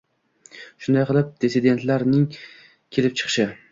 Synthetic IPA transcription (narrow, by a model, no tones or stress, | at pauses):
ʃʊnd̪ajqʰɨlˠɪp̚d̪̥esɪd̪e̞nt̪laɾnɪŋ | kʲʰelɪp̚t͡ʃʰɨ̥qʃɪ